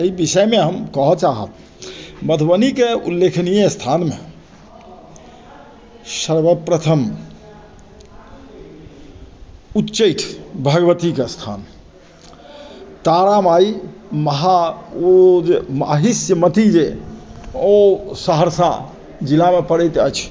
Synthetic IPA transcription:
eibisəjmeɦəmkɔɦɔt͡ʃaɦə̰t̪̚ | mət̪ʰbənikeṵlːekʰnijəst̪ʰanme | səɾbəpɾət̪ʰəm | utːt͡ʃəʈʰbʱəɡʋət̪ikest̪ʰa̰n | t̪aɾamaiməɦa | d͡ʒma̰ɦisjəmət̪id͡ʒe | osəɦəɾsa̰ | d͡ʒilamepəɽɛjt̪ət͡ʃʰ

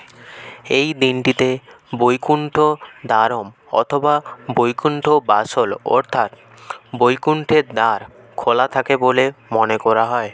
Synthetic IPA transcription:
ejd̪inʈit̪e | bojkuɳʈʰod̪aɾomɔ̰t̪ʰobabojkuɳʈʰobasolɔ̰ɾt̪ʰat̪ | bojkuɳʈʰeɾd̪aɾ | kʰolat̪ʰakebolemonekɔɾaɦɔe

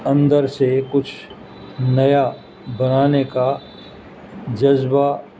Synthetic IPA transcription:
ɐ̃nd̪əɾsekʊt͡ʃʰ | nɐja | bɐnaːneka | d͡ʒɐzba

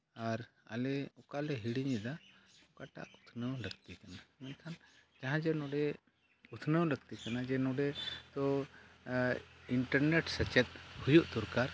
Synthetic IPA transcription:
aɾa̰lɛɔkalɛɦiɽiɲid̪aɔkaʈa̰ʔut̪ʰnəwləɡt̪ikanamɛnk̪ʰand͡ʒaɦãd͡ʒɛnɔɖɛ | ut̪ʰnəwləɡt̪ikanad͡ʒɛnɔɖɛt̪ɔ | iɳʈəɾnɛʈsət͡ʃɛt̪̚hujuʔt̪uɾkaɾ

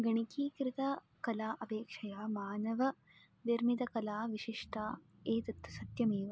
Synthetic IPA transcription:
ɡɐɳikiːkɾɪt̪ɐ | kɐlaːʔɐbeːkʂɐjaːmaːnɐʋɐ | ʋiɾmid̪ɐkɐlaːʋiʃiʂʈaː | eːt̪ɐt̪ːɐsɐt̪jɐmeːʋɐ

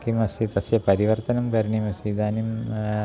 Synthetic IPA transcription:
kimɐsit̪ɐsjɐpɐɾiʋɐrt̪ɐnɐmkɐɾɳimɐsid̪aːnim

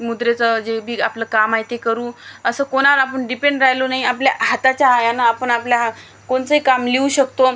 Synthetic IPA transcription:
mud̪ɾet͡səd͡ʑebʱiːapləːkamajt̪ekəɾuːəsəːkoñaʋəɾapəɳɖipeɳɖɾaɦjlonaɦiapljaɦat̪at͡ɕjaajanaːpəɳaplja | koɳt͡səɦikamleuɕəkt̪o

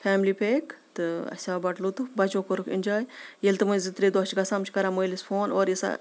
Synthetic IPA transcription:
fʰaːmliːpʰeːkt̪ɨɐ̰sʲaːbɐʈlut̪ufbɐt͡ʃoːkoɾɨkʰḭnʲd͡ʒaːjjelʲt̪ɨmɐzɨt̪ɾed̪oːt͡ʃʰɡɐsaːmt͡ʃʰkɐɾaməjlisfʰoːnoːɾjisa̰

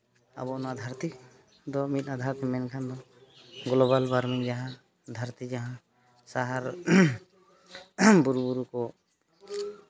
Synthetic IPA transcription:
a̰bɔnad̪ʱaɾt̪i | d̪ɔmit̪̚ˀnad̪ʱaɾt̪ɛmɛnkʰand̪ɔ | ɡlɔbalbaɾmiŋd͡ʒaɦã | d̪ʱaɾt̪id͡ʒaɦã | saɦaɾ | buɾubuɾukɔ

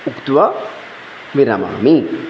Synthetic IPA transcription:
uku̥t̪uwa | miɾama̰miŋ

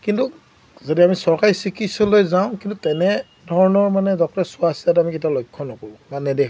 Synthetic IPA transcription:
kintu | zodiamisɔɹkaɹisikʰisɔlojzaʊ̃kintutɛnɛ | dʱɔɹɔnɔɹmanɛdɔk̚tɔɹɛsʊasiatamiketialojkʰːɔnɔkɔɹũmanɛdɛkʰ

